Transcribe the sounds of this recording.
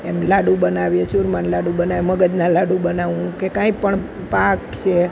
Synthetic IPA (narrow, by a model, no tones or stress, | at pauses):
emlaɽũbənaʋjet͡ʃuɾmanlaɽũbənaʋeməɡəd̪nalaɽũbənaʋũkekãĩpəɳ | pakt͡ʃʰe